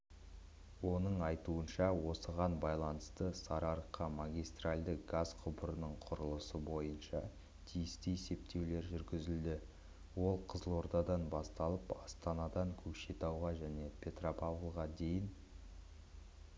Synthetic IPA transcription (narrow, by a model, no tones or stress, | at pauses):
wo̞nəɴɑjt̪uənʃɑwo̞səʁɑnbɑjlˠɑnəst̪əsɑɾɑɾəqːɑmaɡʲijst̪ralʲd̪əɡazqʰʊbəɾənəɴqʰʊɾəlˠəsəbo̞jənʃɑ | t̪ʰijɪst̪ɪese̞p̚t̪ʰe̞wle̞ɾʒʏɾɡʲɪzɪld̪ɪ | wo̞lˠqʰəzəlˠo̞ɾd̪ɑd̪ɑnbɑst̪ɑlˠəpɑst̪ɑnɑd̪ɑŋkʲʰɵkʃe̞t̪ɑwʁɑʒæne̞pʲʰe̞t̪ropavəlˠʁɑd̪e̞jɪn